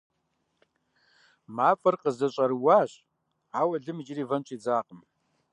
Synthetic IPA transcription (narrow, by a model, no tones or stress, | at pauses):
maːfʼɐrqəzɐɕʼɐɾwaːɕʼ | aːwɐɮɨmɨd͡ʒɪriːvɐnt͡ʃʷʼiːd͡zaːqəm